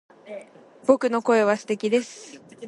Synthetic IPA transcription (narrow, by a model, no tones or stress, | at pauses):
bo̞kɯ̟no̞ko̞e̞β̞asɨ̥t̪e̞kʲid̪e̞sɨ̥